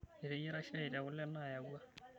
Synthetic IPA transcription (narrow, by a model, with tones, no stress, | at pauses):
e˨ɾe˦jɛ˦ɾa˦ʃa˦ɪ˨ɾa˨ɣʊ˦lɛ˦na˦˨ja˨ɣwa˦